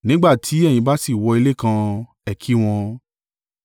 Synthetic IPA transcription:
nĩ˦ɡ͡ba˦˨tʰi˨˦ɛ˦˨j̃ĩ˧ba˦si˦˨wɔ˧i˧le˦˨kã˧ | ɛ˨kʰi˦w̃ɔ̃˧

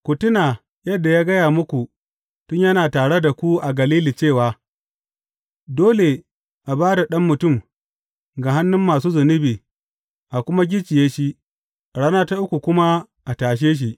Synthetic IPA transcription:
kʷu˨tʊ˦naː˨ | jɐ˦dːa˨jaː˦ɡɐ˦jaː˨mʊ˦kʷu˨ | tʊ˦ɲjɐ˦naː˨taː˨ɽe˦da˨kʷu˦ʔa˨ɡɐ˨liː˦li˨t͡ʃeː˦˨waː˨ | doː˦le˨ | ʔa˨baː˦da˨ɗɐ˦mːʊ˨tʊ˦˨m | ɡa˨ɦa˦nːʊ˦mːaː˨suː˦zʊ˨nɪ˦biː˨ | ʔa˨kʷʊ˦ma˦ɡʲɪ˦t͡ʃɪ˨jeː˦ʃi˦ʔ | ɽa˦na˦ta˦ʔʊ˦kʷu˨kʷʊ˦ma˦ | ʔa˨taː˨ʃ̬eː˦ʃ̬i˨ʔ

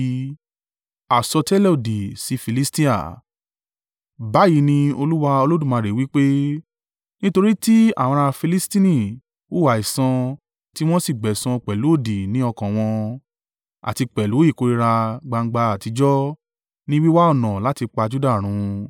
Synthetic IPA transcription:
a˨sɔ˧tɛ˦lɛ˦o˨di˨si˨˦fi˧li˦sti˦a̰˨ | ba˨˦ji˨˦nĩ˧o˧lu˦wa˧o˧lo˦dũ˦˨mã˧ɾe˨wi˦k͡pe˦ | nĩ˦to˧ɾi˦ti˦a̰˦˨w̃ɔ̃˧ɾa˧fi˧li˦stĩ˦nĩ˦˨ | u˦wa˨i˨sã˧ | ti˦w̃ɔ̃˦si˦˨ɡ͡bɛ˨sã˧k͡pɛ˨lu˨˦o˦˨di˨nĩ˨˦ɔ˧kã˨w̃ɔ̃˧ | a̰˨ti˧k͡pɛ˨lu˨˦i˦˨ko˨˧ɾi˧ɾa˧ɡ͡ba˧ŋ̩˧˦ɡ͡ba˧a˨ti˧d͡ʒɔ˦ | nĩ˦wi˦wa˦ɔ˦˨nã˨la˨˦ti˧k͡pa˧d͡ʒu˦da˦˨ɾ̃ũ˨˧

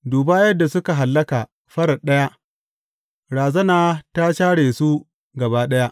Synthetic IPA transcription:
duː˨baː˦jɐ˦dːa˨sʊ˦ka˨ɦa˨lːɐ˦kaː˨ | ɸɐ˦ɽɐ˨ɗɐ˦ja˦ʔ | ɽaː˨zɐ˦naː˨ta˦ʃaː˦ɽeː˨su˦ | ɡɐ˨baː˦ɗɐ˦ja˦ʔ

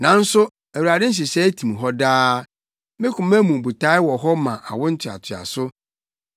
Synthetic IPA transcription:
nã˨˦n̩˦sʊ˦ | æ˨wu˨ɾa˨dɪ̃˦n̩˦ɕ̬ɪ˨sɛ˦tʰĩ˨m˨ɦɔ˦daː˦ | mɪ̃˦kʰʊ̃˨m˦æ̃˦mũ˨bu˨tʰa˦ɪ˦wɔ˨ɦɔ˦mã˨ʔa̰˨wʊ̃˦n̩˦tʰɪ˨a̰˨tʰɪ˨a̰˨sʊ˦

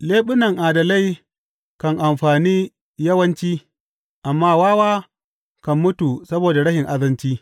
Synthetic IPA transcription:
leː˦ɓʊ˦nɐ˨ŋʔaː˨dɐ˨la˦˨j | kɐ˨ŋʔa˨mɸaː˨niː˦ | jɐ˦wɐ˦nt͡ʃiː˦ | ʔa˨mːaː˦waː˦waː˦ | kɐ˨mːʊ˦tu˨sɐ˦boː˨da˨ɽɐ˦ʃɪ˨ŋʔa˦dɐ˦nt͡ʃiː˦

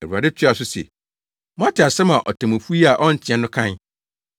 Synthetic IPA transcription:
æ˨u˨a˨dɪ˦tʰɪ˦a˨sʊ˦sɛ̰˨ | mʊ̃˦a˦tʰɪ˨a˨sɛ̃˦mã˨ʔɔ˨tʰã˨mu˨fu˦i˦a˨ʔɔ˦n̩˨t͡ɕʰɪ˨ɛ̃˦nʊ̃˦kʰã˦n

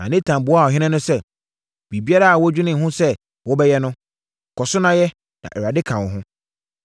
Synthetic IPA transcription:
nã̰˨nɪ̃˦tʰã˨m˨bʊ˨ɔ˦a˦˨ɔ˨ɦɪ̃˦nɛ̃˦nʊ̃˦sɛ˦ | b̥i˨bi˦a˦ɾa˦a˨wɔ˦d͡ʑᶣʊ˦nɪ̃˨ɦʊ̃˦sɛ˦ | wɔ˦bɛ˦jɛ˦nʊ̃˦˨ | kʰɔ˨sʊ˦nã˦jɛ˦ | nã̰˨ɛ˨ɾa˨dɪ˦kʰã˨wɔ˨ɦʊ̃˦

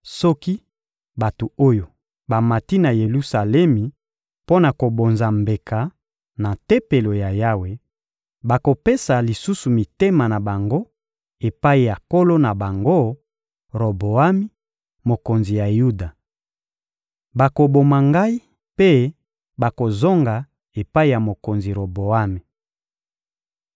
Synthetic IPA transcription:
sɔ˦ki˦ | ba˨to˨o˦jo˨ | ba˨ma˨ti˦na˨je˨lu˦sa˨lɛ˦mi˨ | po˦na˨ko˨bo˨nza˨mbe˨ka˨ | na˨te˦pe˨lo˨ja˨ja˦we˨ | ba˨ko˨pe˦sa˨li˨su˦su˨mi˨te˦ma˨na˨ba˨ŋɡo˦ | e˨pa˦i˨ja˨ko˦lo˦na˨ba˨ŋɡo˦ | ʁo˨bo˨a˦mi˦ | mo˨ko˨nzi˨ja˨ju˦da˨ | ba˨ko˨bo˨ma˨ŋɡa˦i˦ | pe˦ | ba˨ko˨zo˦ŋɡa˨ | e˨pa˦i˦˨ja˨mo˨ko˨nzi˨ʁo˨bo˨a˦mi˨

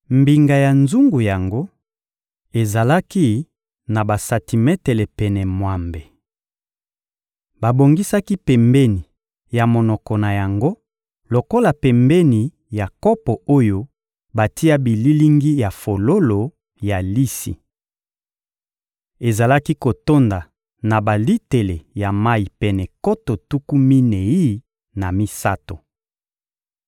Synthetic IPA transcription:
mbi˨ŋɡa˨ja˨nzu˦ŋɡu˨ja˨ŋɡo˦ | e˨za˨la˦ki˦ | na˨ba˨sa˨ti˨mɛ˦te˨le˨pɛ˨nɛ˨mwa˨mbe˨ | ba˨bo˨ŋɡi˦sa˦ki˦pɛ˨mbɛ˦ni˨ | ja˨mo˨nɔ˨kɔ˨na˨ja˨ŋɡo˦ | lo˨ko˦la˨pɛ˨mbɛ˦ni˨ | ja˨kɔ˦pɔ˨o˦jo˦ | ba˨ti˦a˦bi˨li˦li˦ŋɡi˦ja˨fo˨lo˦lo˨ | ja˨li˦sḭ˨ | e˨za˨la˦ki˦ko˨to˦nda˨ | na˨ba˨li˦te˨le˨ja˨ma˦i˨pɛ˨nɛ˨ko˦to˨tu˦ku˦mi˦ne˨i˦ | na˨mi˦sa̰˦to˨

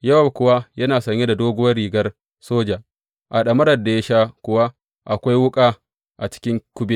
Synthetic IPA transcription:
jɐ˦wa˨wkʷʊ˨wa˦jɐ˦naː˨sɐ˦˨ɲːe˦da˨doː˦ɡʷʊ˦wɐ˦rɽiː˨ɡɐ˦r | soː˦d͡ʒa˨ | ʔa˨ɗɐ˨mɐ˦ɾɐ˨da˨ja˦ʃaː˦kʷʊ˨wa˦ | ʔa˨kʷa˦jwʊ˦kʼa˦ | ʔa˨t͡ʃɪ̥˦kʲɪ˦ŋkʷʊ˦bi˦

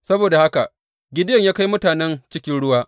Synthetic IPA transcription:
sɐ˦boː˨da˨ha˦ka˨ʔ | ɡʲɪ˦dɪ˦jɐ˨ɲjaː˦ka˦jmʊ˦taː˨nɛ˦nt͡ʃɪ˦kʲɪ˦nɽʊ˦waː˦

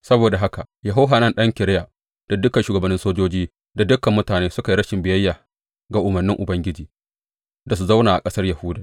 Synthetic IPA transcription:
sɐ˦boː˨da˨ɦa˦ka˨jɐ˨ɦa˦ɦaː˨nɐ˦nɗɐ˦ŋkʲɪ˨ɾɪ˦ja˨ | d̥a˨dʊ˦kɐ˨nʃuː˨ɡɐ˨bɐ˦nːɪ˦nsoː˦d͡ʒoː˦d͡ʒiː˦ | da˨dʊ˦kɐ˨mːʊ˦taː˨neː˦sʊ˦ka˨i˦ɾɐ˦ʃɪ˨mbɪ˨jɐ˦jːaː˨ | ɡa˨ʔʊ˨mɐ˨rnːɪ˦ŋʔʊ˨bɐ˦ŋɡʲɪ˦d͡ʒiː˨ | da˨s̬u˨za˦wnaː˨ʔa̰˨kʼɐ˦sɐ˦rjɐ˨hʊ˦daː˨

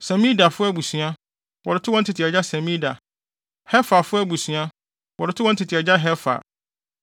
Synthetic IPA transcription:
sɛ̃˨mĩ˦da˨fʊ˦æ˦bu˨sɥa˦ | wɔ˨ɾɪ˨tʰʊ˦wɔ̃˦n̩˦tʰɪ˨tʰɪ˨ɛ˨d͡ʑa˦sɛ̃˨mĩ˦da̰˨ | hɛ˦fa˨fʊ˦æ˦bu˨sɥa˦ | wɔ˨ɾɪ˨tʰʊ˦wɔ̃˦n̩˦tʰɪ˨tʰɪ˨ɛ˨d͡ʑa˦ɦɛ˦fa̰˨

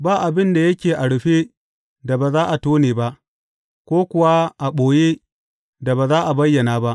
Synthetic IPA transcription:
baː˦ʔa˨bɪ˦nda˨jɐ˦kʲeː˨ʔa˨ɽʊ˨ɸeː˦ | da˨baː˨zaː˦ʔa˨toː˦neː˨ba˦ʔ | kʷoː˦kʷʊ˨wa˦ʔa˨ɓoː˨je˦ | da˨baː˨zaː˦ʔa˨bɐ˦jːɐ˨naː˦ba˦ʔ

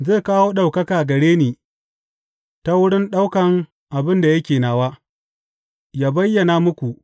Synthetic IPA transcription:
zeː˦˨kaː˦woː˦ɗa˨wkɐ˦kaː˨ɡɐ˨ɽeː˦neː˨ | ta˦wʊ˦ɽɪ˦nɗa˦wkɐ˨ŋ | ʔa˨bɪ˦nda˨jɐ˦kʲeː˨naː˨waː˦ | jaː˦bɐ˦jːɐ˨na˦mʊ˦kʷu˨ʔ

